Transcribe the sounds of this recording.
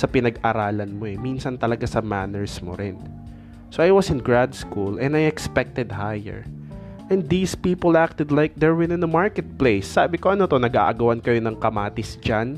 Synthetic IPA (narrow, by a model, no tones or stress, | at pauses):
sɐpɪnɐɡʔɐɾaːlɐnmoɛminsɐnt̪ɐlɐɡasɐmanɛɹsmo̰ɾɪn | so̞ʔajwɐsɪ̃nɡɹad̪skulɛ̃nd̪ajɛkspɛk̚t̪ɛd̪hajɛ̰ɹ | ʔɛ̃nd̪d̪iːspiːpolʔak̚t̪ɛd̪lajk̚d̪ɛɹwɪnɪ̃nɐmaɹkɛt̪̚plejsːaːbɪkoʔɐnot̪o̞nɐɡa̰ʔɐɡɐwɐnkɐjonɐŋkɐmaːt̪ɪsd͡ʒan